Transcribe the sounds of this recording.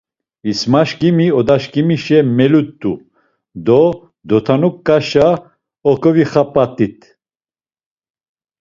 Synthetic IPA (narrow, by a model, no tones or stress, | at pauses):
ismaʃkʼimiɔd̪aʃkʼimiʃɛmɛlut̪ʼːu | d̪ɔ | d̪ɔt̪ʰanukʼːaʃa | ɔkʼɔviχapʼat̪ʼːit̪ʰʼ